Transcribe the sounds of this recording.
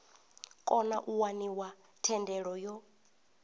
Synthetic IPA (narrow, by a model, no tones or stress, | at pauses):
kʼɔnaʔuwaniwa | tʰɛndɛɺɔjɔ